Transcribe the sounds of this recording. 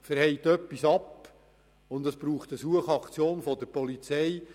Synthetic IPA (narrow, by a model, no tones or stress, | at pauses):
fəɾhɛɪtœpːisɑp | ʊndɑsb̥ɾuːχt̪əsuəχɑkt͡sjoːnfɔd̪əɾpɔlit͡sɛj